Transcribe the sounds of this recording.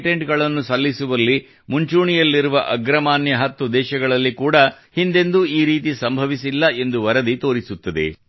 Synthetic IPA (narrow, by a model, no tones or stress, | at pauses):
ʈe̞ɳʈɡɐɭɐnːusɐlːisuʋɐlːi | muɲt͡ʃuːɳijɐlːiɾuʋɐʔɐɡɾɐmaːnjɐɦɐt̪ːud̪ɛːʃɐɡɐɭɐlːikuːɽɐ | hind̪e̞nd̪uiːɾiːt̪̬isɐmbʱɐʋisilːɐe̞nd̪uʋɐɾɐd̪it̪o̞ːɾisut̪ːɐd̪e̞̰